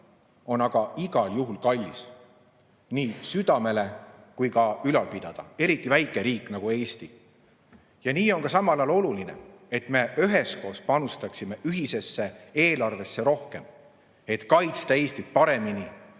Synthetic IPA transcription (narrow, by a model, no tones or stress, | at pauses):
o̞nɑɡ̥ɑiɡ̥ɑljuɦulkɑlʲːis | niːsyd̪̥ɑme̞le̞kujkɑylɑlpid̪̥ɑd̪̥ɑ̰e̞ɾit̪ːˑivæjkːˑeɾiːkːˑnɑɡ̥ue̞ːst̪i | jɑniːo̞nkɑsɑmɑlɑːlo̞luline̞̰e̞t̪me̞yɦe̞sko̞ːspɑnust̪ɑksimeʔyɦise̞sːe̞e̞ːlɑrve̞sːe̞ɾo̞hke̞m | e̞t̪kɑjt̪st̪ɑe̞ːst̪it̪pɑɾe̞mini